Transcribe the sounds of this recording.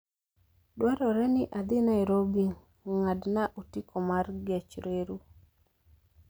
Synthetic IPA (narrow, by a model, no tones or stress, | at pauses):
dwaɾɔɾɛnɪʔad̪ɪnaɛɾobiŋ | ŋadnaʔotikʰomarɡɛt͡ʃɾeɾu